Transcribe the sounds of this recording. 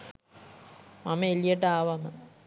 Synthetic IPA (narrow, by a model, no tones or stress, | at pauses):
mamɐelijɐʈ̬ːɐaːʋamɐ